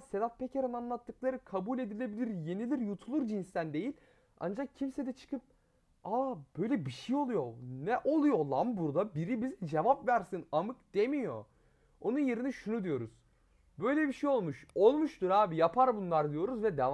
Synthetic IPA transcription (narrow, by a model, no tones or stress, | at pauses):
sed̪at̪̚pʰecʰeɾɯnanlˠat̪ʰːɯklˠaɾɯkʰabuːlʲe̞d̪ilʲe̞bilʲiɾje̞nilʲiɾjut̪ʰulˠuɾd͡ʒinst̪ænd̪e̞jilʲ | a̰nd͡ʒak̚cʰimsed̪ɛt͡ʃʰɯ̥kʰɯp̚ | ab̥ø̞jlʲɛbiʃejo̞lˠujo̞nɛʔo̞lˠujo̞lˠambuɾd̪abiɾibizd͡ʒe̞vapvæɾsinamɯkd̪̥e̞mijo̞ | o̞nunjeɾiniʃunud̪ijo̞ɾuz̥ | bø̞jlʲɛbiʃejo̞lˠmuʃo̞lˠmuʃt̪uɾaːbijapʰaɾbunlˠaɾd̪ijo̞ɾuzvɛd̪ev